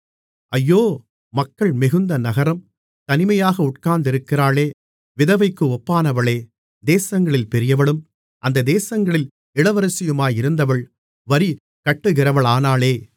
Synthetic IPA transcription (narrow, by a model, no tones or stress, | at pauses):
ʔɐjːoː | mɐkːɐɭmɪɣɯnd̪ɐnɐɣɐɾɐm | t̪ɐnɪmɐjaːɣɐʊʈ̚kaːnd̪ɪɾɯkːɪɾaːleː | ʋɪðɐʋɐɪkːɯɔpːaːnɐʋɐɭeː | d̪eːsɐŋɡɐɭɪlpɛɾɪjɐʋɐɭɯm | ʔɐnd̪ɐd̪eːsɐŋɡɐɭɪl | ɪɭɐʋɐɾɯsɪjɯmaːjɪɾɯnd̪ɐʋɐɭ | ʋɐɾi | kɐʈːɯɣɪɾɐʋɐɭaːnaːɭeː